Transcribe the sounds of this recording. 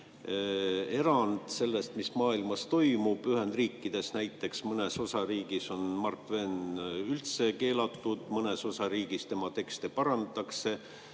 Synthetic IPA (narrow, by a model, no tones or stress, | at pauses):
e̞ɾɑnd̪̥se̞lːe̞st̪mismɑːilmɑst̪o̞jmub̥yɦe̞nd̪riːkˑːid̪̥e̞snæjt̪ːˑe̞ksmɤne̞so̞sɑɾiːɡ̥iso̞nmɑrt̪ˑve̞nylt̪se̞ke̞ːlɑt̪ːˑud̪̥mɤne̞so̞sɑɾiːɡ̥ist̪e̞mɑt̪e̞kst̪epɑɾɑnt̪ɑkse̞